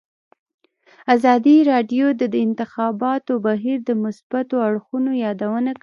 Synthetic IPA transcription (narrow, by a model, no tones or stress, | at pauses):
azɑd̪iɾɑɖjod̪əd̪ɪnt̪ɪxɑbɑt̪obaɦiɾd̪əmʊsb̥at̪oaɽxunojɑd̪awənak